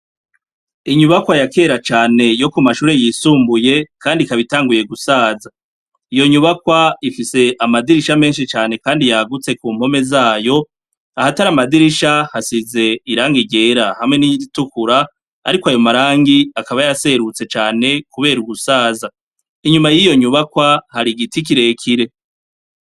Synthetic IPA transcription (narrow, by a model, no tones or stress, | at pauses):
iɲuβakwajake̞ːɾat͡ʃaːne̞jo̞kumaʃuːɾe̞jisuːmbuje̞kʰaːndikaβitaːŋɡuje̞ɡusaːza | ijo̞ɲuβakwaifise̞ʔamadiɾiʃame̞ːnʃit͡ʃaːne̞kaːndijaɡut͡se̞kuːm̥ho̞me̞zaːjo̞ | ahataɾamadiɾiʃahasize̞iɾaːŋɡiɟe̞ːɾahamŋe̞niiditukuɾa | a̰ɾikwajo̞maɾaːŋɡiakaβajase̞ɾut͡se̞t͡ʃaːne̞kuβe̞ːɾuɡusaːza | iɲumajijo̞ɲuβakwahaɾiɡitik̬iɾe̞kʰiɾe̞